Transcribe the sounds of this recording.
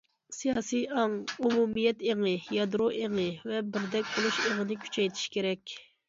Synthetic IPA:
sijɑːsijɑŋumumijɛt̪eŋɨjɑd̪ɾoʔeŋɨvɛbɪɾd̪ɛk̚ʲbolˠuʃeŋənɪkʲʰy̥t͡ʃʰɛjt̪ʰi̥ʃkʲʰeɾɛkʲ

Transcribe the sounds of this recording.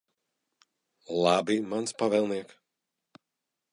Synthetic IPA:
lˠabimanspavɛlˠniɛk

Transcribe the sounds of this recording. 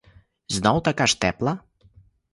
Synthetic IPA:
znɔwt̪akaʃt̪ɛplˠɐ

